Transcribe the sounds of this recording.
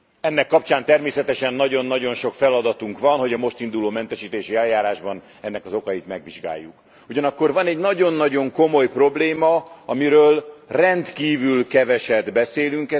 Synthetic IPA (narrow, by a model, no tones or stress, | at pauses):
ɛnːɛkːɒp̚t͡ʃaːnt̪ɛrmeːsɛt̪ɛʃɛnːɒɟo̞nːɒɟo̞nʃo̞kfɛlɒd̪ɒt̪uŋkʋɒnho̞ɟɒmo̞ʃt̪ind̪uloːmɛnt̪ɛʃiːt̪eːʃiɛljaːɾaːʒbɒn | ɛnːɛkɒzo̞kɒjit̪mɛɡʋiʒɡa̰ːjːuk | uɟɒnɒkːo̞rvɒnɛɟnɒɟo̞nːɒɟo̞ŋko̞mo̞jpro̞bleːmɒɒmiɾøːlrɛnt̪kiːvylkɛvɛʃɛd̪bɛseːlyŋkɛ